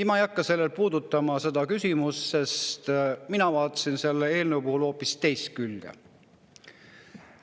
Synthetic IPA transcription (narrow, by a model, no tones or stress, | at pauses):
imɑejɑkːɑse̞lːe̞lpuːd̪ut̪ːˑɑmɑse̞d̪̥ɑkysʲimusse̞st̪minɑvɑːt̪ːˑɑ̥sinse̞lːee̞ːlneupuhulho̞ːpːˑist̪e̞jst̪̚kylɡ̥ḛ